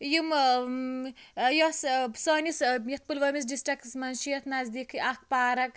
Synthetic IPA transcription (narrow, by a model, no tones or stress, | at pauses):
jum | jɔssɔnisjɐt̪̚pulʋɐmis̬ɖisʈɐksmɐnʃijɐt̪ʰnazd̪ikʰɨʔak̚ʰpaːɾɐk